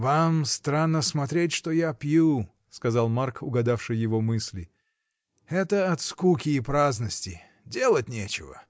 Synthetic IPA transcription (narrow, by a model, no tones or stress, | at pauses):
vamst̪ɾanːəsmɐt̪ɾʲetʲʂt̪ojapʲju | skɐzalˠmarkʊɡɐd̪afʂɨjːɪvomɨsʲlʲɪ | ɛt̪əɐt̪skukʲɪːpɾaznəsʲtʲɪ | dʲe̞lˠət̚ʲnʲet͡ɕɪ̰və̰